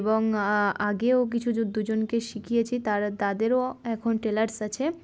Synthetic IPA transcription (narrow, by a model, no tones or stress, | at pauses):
boŋaɡeok̬it͡ɕʰud͡ʒod̪ud͡ʑonkeʃikʰijet͡ɕʰit̪aɾt̪ad̪eɾoɛkʰonʈelaɾsat͡ɕʰe